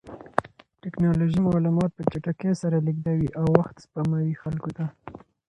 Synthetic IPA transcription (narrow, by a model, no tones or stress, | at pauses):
ʈɪknɑloʒimɑlumɑt̪̚pət͡ʃaʈakesaɾaliɡ̚d̪awiʔawːaxt̪spamawixalkot̪a